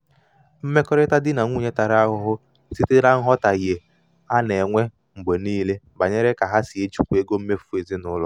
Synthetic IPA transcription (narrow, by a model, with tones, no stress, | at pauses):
m̩˦me˦kɔ˦ɾɪ˦ta˦dɪ˦na˨ŋʷu˦˨ɲe˦ta˨ɾa˦ɦʊ˨ɦʊ˦ | si˦te˦ɾa˦ŋ̩˦ɦɔ˦ta˨je˨ | a˦ne˨ŋʷe˦ | ŋ͡m̩˨ɡ͡be˨niː˦le˦ | ba˨ɲe˦ɾe˦ka˨ɦa˦si˨e˦t͡ʃu˦kʷu˦e˦ɡo˦m̩˦me˦fu˦e˨zi˦nʊ˦lɔ̰˨